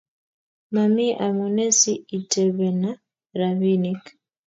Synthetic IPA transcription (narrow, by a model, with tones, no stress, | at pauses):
ma˨mi˦ʔa˨mɔ˨nɛ˦si˦i˨tɛ˨βɛ˨na˦ | ɾa˨βi˦nik